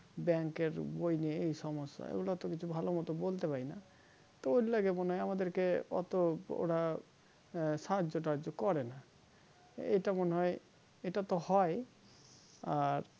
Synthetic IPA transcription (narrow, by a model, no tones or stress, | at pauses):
bɛŋkeɾbojnieejsɔmɔsːa̰ḛɡulat̪ɔkit͡ɕʰubʱalomɔt̪ɔbolt̪epaɾina | t̪ɔoɾlaɡemoneɦɔjamad̪eɾkeɔ̰t̪oo̰ɽa | saad͡ʒoʈ̬ad͡ʒokɔɾena | ḛjʈamoneɦɔe | eʈat̪ɔhɔe | aɾ